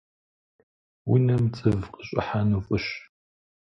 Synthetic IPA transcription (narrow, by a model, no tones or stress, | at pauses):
winɐmt͡sʼɨvqʼəɕʼɪ̰ħanufʼɨɕ